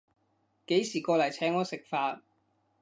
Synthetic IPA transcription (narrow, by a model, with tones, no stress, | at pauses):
ke˨˥jsiː˨˩kɔː˧lɐ˨˩jt͡sʰɛː˨˥ŋːɔː˨˥sɪ˨k̚faː˧t̚